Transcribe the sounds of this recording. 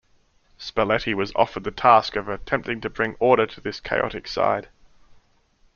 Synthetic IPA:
spɛlɛɾiwʌzɒ̰fə˞d̪̚ðɨtʰæˑskʌvətʰɛ̃mp̚tɪ̃ŋtʰɨbɹɪ̃ŋɔːɾəɾʰəðɪskʰeɪɑ̰ɾɨksa̰ɪd̥

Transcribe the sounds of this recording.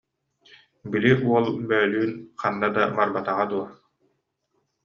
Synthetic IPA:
biliʔuɔlˠbœːlyːnqanːad̪abaɾbat̪aʁad̪uɔ

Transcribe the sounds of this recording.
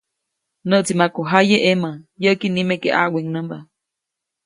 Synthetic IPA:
nəʔt͡simakoɦajeʔemajəʔkinimekeʔa̰weŋnəmba

